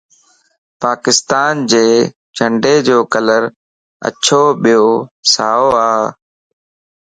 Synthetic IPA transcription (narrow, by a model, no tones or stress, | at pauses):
paːkɪst̪aːnd͡ʑeː | d͡ʒʰʱəɳɖeːd͡ʑoːkələɾ | ə̰t͡ʃʰoːɓijoːsaːoːaː